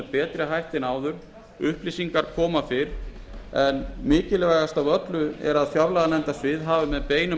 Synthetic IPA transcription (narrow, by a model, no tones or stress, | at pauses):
pɛːt̪ɾɪɦajht̪ɪnaːwðʏɾ | ʏhplisiŋkaɾ̥kʰɔːmafɪɾ | ɛnmɪːcɪlɪvajɣast̪avœt̪lʏɛ̰ɾaðfjaɾlaɣanɛnt̪asvɪðɦaːvɪmɛðpeːjnʏ